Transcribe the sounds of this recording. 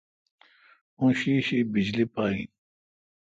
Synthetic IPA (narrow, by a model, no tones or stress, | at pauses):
ũːɕiːɕibid͡ʑlipaːḭ̃